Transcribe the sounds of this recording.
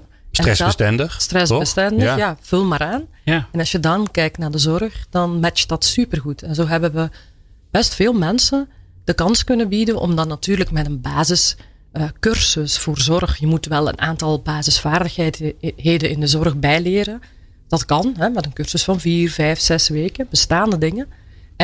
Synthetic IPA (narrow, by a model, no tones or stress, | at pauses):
rɛdaəstɛndəstrɛsbəstɛndəjav̥ɵlˠmaːɾaːn | ɛnɑlˠsjədɑnkɛjk̚tnaːrdəzɔrxdɑnmɛt͡ʃd̥ɑtsypərɣutʰɛnzoːɦɛbəʋə | b̥ɛstfeːlˠmɛnsənd̥əkɑnskɵnəbidənʔɔ̰mdɑtnːɑtyːrləkmɛtənbaːzɪs | əkɵrsəsfoːrzɔrxjəmutʋɛlˠə̰nʔa̰ːntɑlˠbaːzɪsfaːrdəxɦɛjtɦeːdənɪndəzɔrɣbɛjlɪːɾən | d̥ɑtkɑnɦɛmɛtənkɵrsəsfɑnviːrvɛjfsɛsʋeːkənbəstaːndədɪŋən